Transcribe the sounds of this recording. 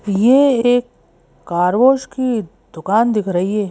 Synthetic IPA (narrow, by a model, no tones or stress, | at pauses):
jeeːkː | aːɾʋoːʃki | d̪ʊkaːnd̪ɪkʰɾɐɦiɦɛː